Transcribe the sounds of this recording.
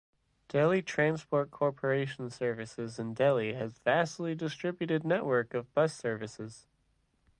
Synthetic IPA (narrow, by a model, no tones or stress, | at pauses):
d̥ɛlˠitʰɹ̥æ̃nspʰɔɹt̚kʰɔɹpʰə˞eɪʃn̩sɜ˞vɨsɪzɨ̃ndɛlˠiɨzvæsˡlˠidɨstɹ̥ɪbjɨɾɨdⁿnɛʔwə˞kʌvbʌsɜ˞vɨsɪz̥